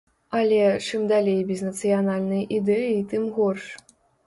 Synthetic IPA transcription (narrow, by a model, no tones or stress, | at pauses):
ɐlʲɛt͡ʂɨmd̪alʲejbʲɛznɐt̪sɨjanalʲnɨjʔid̪ɛjit̪ɨmɣɔrʂ